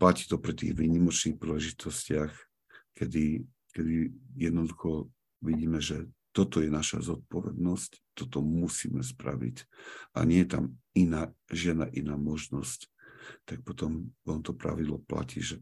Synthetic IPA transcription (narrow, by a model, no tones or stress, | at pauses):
placi̥ːt̪ɔpɾit̪iːɣʋiːɲimɔt͡ʃniːxpɾiːlɛʒit̪ʰɔscɪax | kɛd̪i | kɛd̪ijɛd̪nɔd̪uxɔ | ʋiɟiːmɛʒɛt̪ɔt̪ɔjɛnaʃa̰zɔt̪̚pɔʋɛ̰d̪nɔsct̪ɔt̪ɔmusḭːmɛspɾa̰ʋḭca̰ɲɪɛjɛt̪a̰minaːʒɪɛd̪naʔinaːmɔʒnɔsct̪ak̚pɔt̪ɔmɔnt̪ɔpɾa̰ʋid̪lɔ̰pla̰cḭːʒɛ